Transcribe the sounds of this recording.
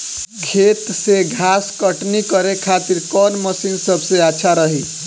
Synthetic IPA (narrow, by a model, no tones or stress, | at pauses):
ɡʱet̪seɡʱaskəʈnikəɾekʰat̪iɾkɔnməsinsəbseaːt͡ʃʰaɾəɦi